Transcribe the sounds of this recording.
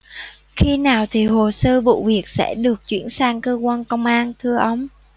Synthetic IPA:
xi˧naː˨˩wt̪ʰi˨˩ɦo˨˩səː˧vṵ˧˨vi˨˩ək̚sɛ̰˧˥ɗɨ˨˩ək̚t͡ɕwḭ˧˥ənsaː˧ŋkəː˧kwaː˧nkə˧wŋ͡mʔaː˧nt̪ʰɨ˧əʔə˧wŋ͡m

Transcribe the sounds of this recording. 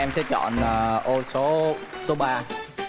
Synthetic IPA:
ɛ˧msɛ̰˧˥t͡ɕɔ̰˧˨nəː˨˩ʔo˧so˨˦so˨˦ɓaː˧

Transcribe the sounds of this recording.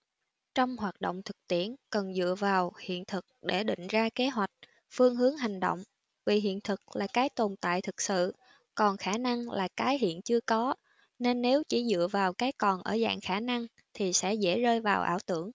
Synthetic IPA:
t͡ɕɔ˧wŋ͡mhwaː˨˩t̚ɗo̰˧˨wŋ͡mt̪ʰɨ̥˨˩k̚t̪i˧˩ənkə˨˩nzɨ̰˧˨əvaː˨˩whḭ˧˨ənt̪ʰɨ˨˩k̚ɗe˧˩ɗḭ̈˧˨ŋ̟zaː˧ke˨˦ɦwa˨˩jk̟̚ | fɨ˧əŋɦɨ˨˦əŋɦa˨˩jŋ̟ɗo̰˧˨wŋ͡m | vi˨˩ɦḭ˧˨ənt̪ʰɨ˨˩k̚laː˨˩kaː˨˦jt̪o˨˩nt̪a̰ː˧˨jt̪ʰɨ˨˩k̚sɨ̰˧˨ | kɔ˨˩nxaː˧˩na˧ŋlaː˨˩kaː˨˦jɦḭ˧˨ənt͡ɕɨ˧əkɔ˨˦ | ne˧nːe˨˦wt͡ɕi˧˩zɨ̰˧˨əvaː˨˩wkaː˨˦jkɔ˨˩nʔəː˧˩za̰ː˧˨ŋxaː˧˩na˧ŋ | t̪ʰi˨˩sɛ̰˧˥zḛ˧˥zəː˧jvaː˨˩wʔa̰ː˧˩wt̪ɨ˧˩əŋ

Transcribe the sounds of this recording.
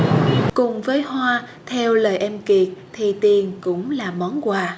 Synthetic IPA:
kʊ˨˩ŋ͡mvəː˨˦jɦwaː˧ | t̪ʰɛ˧wləː˨˩jʔɛ˧mki˨˩ək̚t̪ʰi˨˩t̪i˨˩ənkʊ̰˧˥ŋ͡mlaː˨˩mɔ˨˦nkwaː˧˩

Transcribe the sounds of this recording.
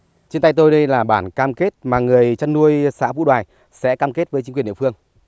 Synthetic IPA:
t͡ɕnt̪a˧jt̪o˧jɗə˧jlaː˨˩ɓaː˧˩nkaː˧mke˦˥t̚maː˨˩ŋɨ˨˩əjt͡ɕa˧nːu˧əjsa̰ː˧˥vṵ˧˥ɗwaː˨˩j | sɛ̰˧˥kaː˧mke˦˥t̚vəː˨˦jt͡ɕi˨˦ŋkwi˨˩ə˨ɗḭ˧˨fɨ˧əŋ

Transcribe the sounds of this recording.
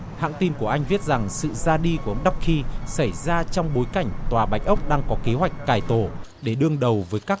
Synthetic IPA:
ha̰ː˧˨ŋt̪i˧nku˧˩əʔa˧jŋ̟vi˦˥t̚za˨˩ŋsɨ̰˧˨zaː˧ɗi˧ku˧˩˨ʔə˧ŋ͡mɗa˦˥wk͡p̚xi˧sa˧˩jzaː˧t͡ɕɔ˧wŋ͡mɓo˨˦jka˧˩jŋ̟t̪waː˨˩ɓa˨˦j̟ʔə˦˥wk͡p̚ɗaː˧ŋkɔ˨˦ke˨˦ɦwa˨˩jk̟̚kaː˧˩jt̪o˧˩ | ɗe˧˩ɗɨ˧əŋɗə˨˩wvəː˨˦jkaː˦˥k

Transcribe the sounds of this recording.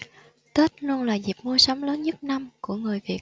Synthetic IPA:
t̪ə˦˥t̚lu˧ənlaː˨˩zi˨˩p̚mu˧əsɔ˨˦wŋ͡mləː˨˦nɲə˦˥t̚na˧mku˧˩əŋɨ˨˩jvi˨˩ək̚

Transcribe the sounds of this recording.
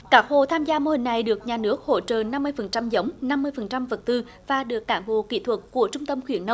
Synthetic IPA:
kaː˦˥k̚ho̰˧˨t̪ʰaː˧mzaː˧mo˧hï˨˩ŋ̟na˨˩jɗɨ˨˩ək̚ɲaː˨˩nɨ˦˥ək̚ho̰˧˥t͡ɕə̰ː˧˨na˧mːɨ˧əjfə˨˩nt͡ɕa˧mzə˨˦wŋ͡mna˧mːɨ˧əjfə˨˩nt͡ɕa˧mvə˨˩t̚t̪ɨ˧ | vaː˨˩ɗɨ˨˩ək̚ːaː˧˩nɓo̰˧˨kḭ˧˩˥t̪ʰwə˨˩t̚ːu˧˩ət͡ɕʊ˧ŋ͡mt̪ə˧mxwḭ˧˩ənːə˧˦w

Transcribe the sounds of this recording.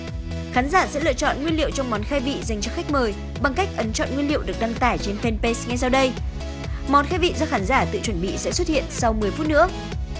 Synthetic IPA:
xaː˨˦nzaː˧˩sɛ̰˧˥lɨ̰˧˨ət͡ɕɔ̰˧˨nŋwi˧nlḭ˧˨əwt͡ɕɔ˧wŋ͡mmɔ˨˦nxaː˧jvḭ˧˨za˨˩ŋ̟t͡ɕɔ˨˧˥xa˦˥jk̟̚məː˨˩j | ɓa˨˩ŋka˦˥jk̟̚ʔə˨˦nt͡ɕɔ̰˧˨nŋwi˧nlḭ˧˨əwɗɨ˨˩ək̚ɗa˧ŋt̪aː˧˩jt͡ɕe˧nfe˧npe˧sŋa˧jsa˧wɗə˧j | mɔ˨˦nxaː˧jvḭ˧˨zɔ˧xaː˨˦nzaː˧˩t̪ɨ̰˧˨t͡ɕwə˧˩nɓḭ˧˨sɛ̰˧˥swə˦˥t̚hḭ˧˨ənsa˧wmɨ˨˩əjfu˦˥t̚nɨ̰˧˥ə

